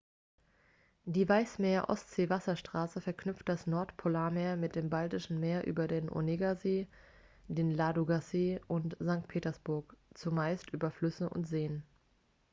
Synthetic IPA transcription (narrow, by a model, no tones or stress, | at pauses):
d̥iːvaɪsmeːɐʔɔ̰stz̥eːvasɐʃtʁ̥aːsəfɛɐknʏpft̚d̥asnɔɐtpʰolaːɐmeːɐmɪt̚d̥eːmbaltɪʃn̩meːɐʔy̰ːbɐdeːnʔo̰neɡazeː | d̥eːnlaːduɡaseːʔʊntz̥aŋk̚tpʰeːtɐsb̥ʊɐkt͡sumaɪstʔyːbɐflʏsəʔʊ̰ntz̥eːən